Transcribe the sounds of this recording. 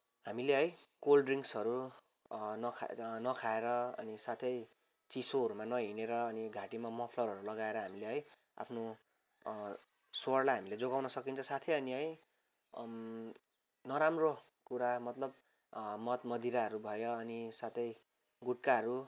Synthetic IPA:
ɦamileɦʌj | kolɖriŋksɦʌɾu | nʌkʰnʌkʰaeɾʌʌ̰nisat̪ʰʌj | t͡sisoɦʌɾumanʌɦineɾʌːniɡʱaʈimamʌpʰlʌɾɦʌɾulʌɡaeɾʌɦamileɦʌj | a̰pʰno | swoʌrlajɦamiled͡zoɡawnʌsʌkint͡sʰʌ̃sat̪ʰʌjʌniɦʌj | nʌɾamro | kuɾamʌt̪lʌb̚ | mʌt̪mʌd̪ʱiɾaɦʌɾubʱʌjoːnisat̪ʰʌj | ɡuʈ̚kaʌɾu

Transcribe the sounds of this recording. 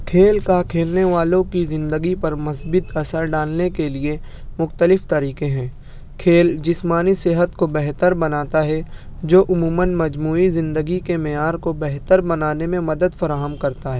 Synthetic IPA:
kʰeːlkakʰeːlneʋaːlõkizɪ̃nd̪əɡipɐɾmɐsbɪt̪ɐsəɾɖaːlnekelie | mʊxt̪əlɪft̪ɐɾiːqẽɦɛ̃ː | kʰeːld͡ʒɪsmaːnisɪɦət̪kobɛɦt̪əɾbɐnaːt̪aɦɛ | d͡ʒoːʔʊmuːmənmɐd͡ʒmuːizɪ̃nd̪əɡikemɛjaːɾkobɛɦt̪əɾbɐnaːnemẽmɐd̪əd̪fɐɾaːɦəmkɐɾt̪aɦɛː

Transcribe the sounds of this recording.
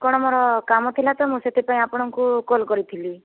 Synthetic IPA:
kɔɽ̃ɔmoɾɔkamɔt̪ʰilat̪ɔmũset̪ʰipaĩapɔɽ̃ɔŋkukolkɔɾit̪ʰili

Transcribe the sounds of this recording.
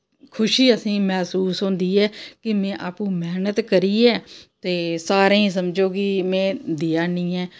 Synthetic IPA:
kʰʊʃiːəsĩːmɛːsuːsɦõːnd̪iːɛːkɪmɛ̃ːʔaːpũːmɛːnət̪kəɾiːɛːt̪eːsaːɾẽːĩs̬əmd͡ʒoːkɪmẽːd̪iaːnĩːɛː

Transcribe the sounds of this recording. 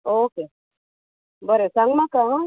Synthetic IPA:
oke | bəɾesaŋmakaɦã

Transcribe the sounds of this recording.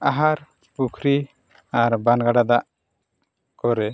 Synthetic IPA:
aɦaɾ | pukʰɾi | aɾbanɡaɖad̪aʔ | kɔɾɛ

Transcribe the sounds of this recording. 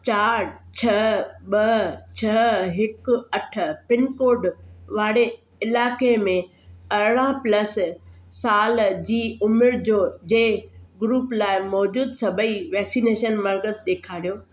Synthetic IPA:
t͡ɕaːɾt͡ɕʰɐɓɐt͡ɕʰɐɦɪkʊɐʈ̆ʰpɪnkoːɾɖʋaːɽe | ɪlaːkemẽ | ɐɾɽãplɐssaːld͡ʑiːʊmɪɾd͡ʑoːd͡ʑẽːɡɾuːplaːɪmɔːd͡ʑuːd̪sɐbʱəiʋɛːksiːneːʃənmɐɾɡəzɗ̪eːkʰaːɾijoː

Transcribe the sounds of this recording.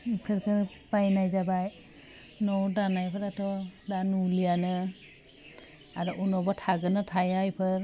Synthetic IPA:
kʰɯɾkʰɯpajnajzabaj | nɔwdanajpʰɯɾatʰɔdanulijanɯ | aɾɔʔunɔbatʰaɡɯnatʰajajpʰɯɾ

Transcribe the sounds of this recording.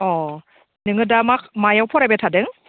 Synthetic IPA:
ɔ | nɯŋɯdamakmajawpʰɔɾabetʰadɯŋ

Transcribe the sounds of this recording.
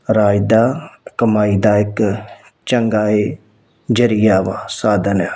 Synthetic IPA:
ɾaːjd̪aːkəmaːiːd̪aːɪk | t͡ʃəŋɡaːeː | d͡ʒəɾijaːʋaːsaːd̪əna

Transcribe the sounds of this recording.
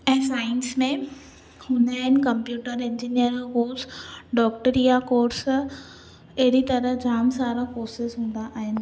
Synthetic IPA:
ɛ̃ɦsaːɪnsmẽ | hʊnaːɦɪnɪ̆kɐ̃mpjuːʈəɾẽɲd͡ʑinijəɾkoːɾsɖɔːk̚ʈəɾijakoːɾs | ɐɦɪɾit̪ɐɾəɦd͡ʑʱaːmsaːɾakoːɾsɪsɦũːn̆d̪aʔaːɦɪnɪ̆

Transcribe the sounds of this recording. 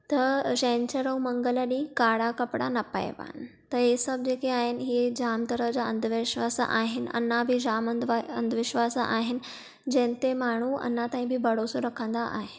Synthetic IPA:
t̪əɾɕẽɲt͡ɕəɾəwməŋɡələnĩːkaɽakəpɽanɐpa̰j̰ʋa̰n | t̪əɾɦesəb̚d͡ʑekeaɦenɦid͡ʑamt̪əɾəd͡ʑaənd̪ʱʋɪɕʋasʔaɦɪnə̰nːabʱid͡ʑamənd̪ə̰nd̪ʱʋɪɕʋasəʔa̰ɦɪn | d͡ʑɛ̃nt̪emaɳ̤̃uə̰nːat̪ãĩbʱiːbəɽosuɾəkʰə̃nd̪aʔa̰ɦe

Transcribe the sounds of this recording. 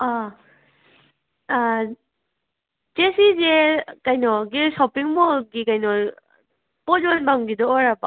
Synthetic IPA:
a | d͡ʒesizekajnɔɡisɔpiŋmɔɡikajnɔ | pɔt̚d͡ʒɔnbaŋɡidɔːɾaba

